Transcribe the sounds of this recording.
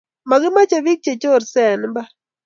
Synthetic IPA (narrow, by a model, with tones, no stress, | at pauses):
ma˨ɡɪ˦ma˦t͡ʃe˨βi˦k̚t͡ʃe˨t͡ʃo˦˨ɾsɛ˨n˦mba˦